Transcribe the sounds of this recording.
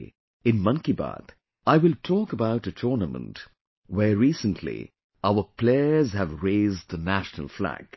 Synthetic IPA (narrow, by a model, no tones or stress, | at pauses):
ɪ̃nmʌ̃nkibɑ̰ːt̪ | aɪwɪltʰɔːkəbaʊʈɨtʰɔːnəmə̰̃nt | wəɹiːsə̃ntʰlḭ | aʊəpʰleɪəzhævɹeɪzd̚ðənæʃnə̰lˠflæ̰ɡ̥